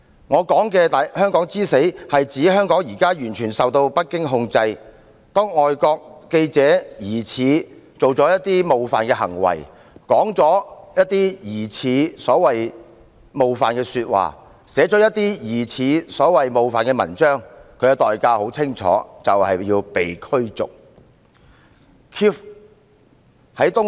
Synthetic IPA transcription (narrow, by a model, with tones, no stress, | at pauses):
ŋɔː˨˧kɔː˨˥ŋkɛː˧t̪aː˨jhœː˥ŋkɔː˨˥ŋt͡siː˥se˨˥jhɐ˨jt͡siː˨˥ɦœː˥ŋkɔː˨˥ŋjiː˨˩kaː˥jyː˨˩nt͡ʃʰyː˨˩nsɐ˨wt̪o˧wpɐ˥t̚kːɪ˥ŋɦʊ˧ŋt͡sɐ˧j | t̪ɔː˥ŋɔː˨jkɔː˧k̚ke˧jt͡sɛː˨˥jiː˨˩t͡sʰiː˨˧t͡so˨wt͡sɔː˨˥jɐ˥t̚t̪iː˥mo˨wfaː˨nkɛː˧ɦɐ̰˨˩ŋwɐ̰˨˩j | kɔː˨˥ŋt͡sɔː˨˥jɐ˥t̚t̪iː˥jiː˨˩t͡sʰiː˨˥sɔː˨˥wɐ˨j | mo˨wfaː˨nkɛː˧syː˧t̚wa̰ː˨˩ | sɛː˨˥t͡sɔː˨˥jɐ˥t̪̚iː˥jiː˨˩t͡sʰiː˨˧sɔː˨˥wɐ˨jmo˨wfaː˨nkɛː˧mɐ̰˨˩nt͡ʃœː˥ŋkʰɵ˨˧ɥkɛ˧t̪ɔː˨˩jkaː˧ho˨˥wt͡sʰɪ˥ŋt͡ʃʰɔ̰ː˨˥t͡sɐ˨whɐ˨jjiː˧wpe˨jkʰɵ˥ɥt͡sʊ̰˨k̚ | kʰiː˥f | hɐ˨˥jt̪ʊ˥ŋ